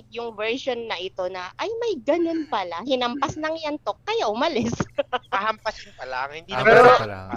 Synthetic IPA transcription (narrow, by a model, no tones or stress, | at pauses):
jʊŋvɛɹʃo̞nːɐʔɪt̪o̞nɐʔɐjmɐjɡɐno̞npɐlahɪnɐmpasnɐŋjɐnt̪o̞kːɐjaʔʊmɐlɪspɐhɐmpɐsɪnpɐla̰ʔɐŋhɪnd̪iːɛɛɾo